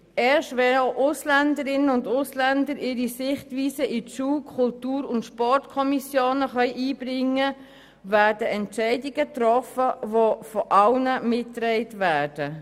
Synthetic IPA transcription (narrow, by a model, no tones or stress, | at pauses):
ɛːʃtvɛoʊʔʊslændəɾɪnəʊndʊslɛndəɾɪːɾisɪχtʋiːsəʔiʃuːkʰχʊltuːɾʊntʃpɔɹtkʰɔmisjoːnəχœʏʔiːbɾɪŋːə | væːɾdəɛntt͡ʃɛɪdɪɡətrɔfəʋofɔʔɑlnəmɪtːɾɛɪtvæːd̥ə